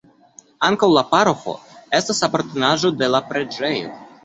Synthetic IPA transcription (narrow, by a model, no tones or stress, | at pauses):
aŋkawlapaɾoxo̞̰est̪asapoɾt̪onaʒo̞d̪e̞lapɾed͡ʒejo̰